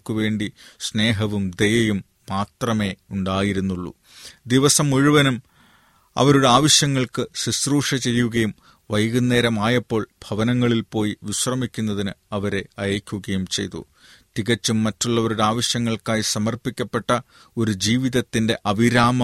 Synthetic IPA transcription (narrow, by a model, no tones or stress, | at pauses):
kːuʋe̞ːɳɖisne̞ːɦɐʋumd̪e̞jɐjumːaːt̪rɐme̞ːuɳɖaːjiɾunːuɭːṵ | d̪iʋɐsɐmuɻiʋɐnum | ɐ̰ʋɐɾuɽe̞aːʋɐɕjɐŋːɐɭkɨsisruːʂɐt͡ɕe̞jːuɣɐjum | ʋɐjɣunːe̞ːɾɐmaːjɐpːo̞ːɭb̥ʱɐʋɐnɐŋːɐɭilpo̞ːjiʋiɕrɐmikʲːunːɐðinɨɐʋɐɾe̞ɐjɐːkʲːuɣɐjumt͡ɕe̞̰jt̪ṵ | t̪iɣɐt͡ɕːumːɐtːuɭːɐʋɐɾuɽe̞aːʋɐɕjɐŋːɐɭkaːjisɐmɐrpikʲːɐpːe̞ʈːɐ | o̞ɾud͡ʑiːʋiðɐt̪ːinde̞ʔɐʋiɾaːmɐ